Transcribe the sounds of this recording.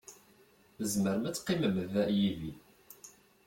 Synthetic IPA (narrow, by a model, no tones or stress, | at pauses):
əzməɾmæt͡sːqːiməməvæʔjivi